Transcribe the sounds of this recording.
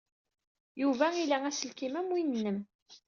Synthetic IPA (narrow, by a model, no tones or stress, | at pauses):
juvæilææsəlkimæmwinːəm